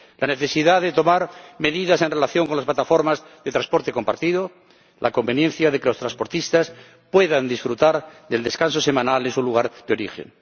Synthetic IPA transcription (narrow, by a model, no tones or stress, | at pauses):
lane̞θe̞siðaðet̪o̞maɾme̞ðiðase̞nrelaθjo̞ŋko̞nlas̬plat̪afo̞ɾmaz | ðe̞t̪ɾanspo̞ɾt̪e̞ko̞mpaɾt̪iðo | lʔa̰ko̞mbe̞njenθjaðe̞ke̞lo̞st̪ɾaspo̞ɾt̪ist̪as | pwe̞ðand̪isfɾut̪aɾðe̞ld̪e̞skanso̞se̞mãnalesuluɣ̞aɾðeo̞ɾixḛn